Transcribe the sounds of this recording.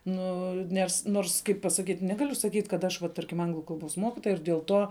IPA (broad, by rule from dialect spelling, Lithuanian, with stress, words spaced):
ˈnʊ ˈnʲɛs ˈnoːrs ˈkɐɪp pɐsɐˈkʲiːtʲ ˈnʲæːɡɐlʲʊ sɐˈkʲiːtʲ kɐt ˈɐʃ ʋɐ ˈtɐrʲkʲɪm ˈɐŋɡlˠʊ kɐlˠˈboːs ˈmoːkʲɪtoːjɛ ɪr dʲiɛlˠ ˈtuɔ